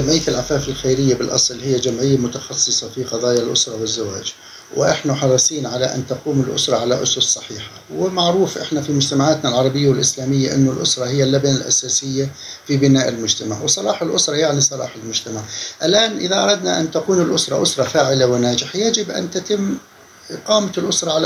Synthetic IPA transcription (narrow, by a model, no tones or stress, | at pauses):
d͡ʒamʕɪjːaɪlʕafaːfɪlxajɾɪjːabɪlʔɑ̰sˤlhɪjːad͡ʒamʕɪjːamʊt̪ɑ̥xɑsˤːɨsˤɑfiqɑðˤɑːjalʔʊ̰sɾˤɑwɪzːawa̰ːd͡ʒ | w̰ʔɪħnaħɑɾˤɨsˤiːnʕalaʔa̰nt̪aquːmɪlʔʊ̰sɾˤɑʕalaʔʊ̰sʊssˤɑħiːħḁwɪmaʕɾuːfʔɪ̰ħnafimʊd͡ʒt̪amaʕaːt̪nalʕɑɾˤɑbɪjːawɪlʔɪslaːmɪjːaʔɪ̰nːʊlʔʊ̰sɾˤɑhɪjːalːabanalʔa̰saːsɪjːa | fibɪnaːʔɪlmʊd͡ʒt̪ama̰ʕwsˤɑlɑːħalʔʊsɾˤɑjaʕnisˤɑlɑ̰ːħɪlmʊd͡ʒt̪amaʕʔalʔaːnʔɪðaʔɑ̰ɾˤɑd̪naʔa̰nt̪aquːnɪlʔʊsɾˤɑʔʊsɾˤɑfaːʕɪlawɪnaːd͡ʒɪħajad͡ʒɪbʔa̰nt̪at̪ɪmː | qɑːmaɪlʔʊsɾˤɑʕal